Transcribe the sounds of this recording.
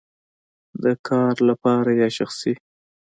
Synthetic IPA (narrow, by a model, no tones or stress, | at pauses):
d̪əkʰɑɾlapɑɾajɑʃaxsi